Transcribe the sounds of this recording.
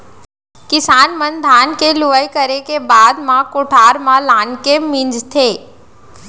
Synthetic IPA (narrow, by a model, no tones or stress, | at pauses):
kɪsaːnmənd̪ʱaːnkeluʋəjkəɾekebaːd̪mãkʊʈʰaːɾmãlaːnkemĩnd͡ʒt̪ʰeː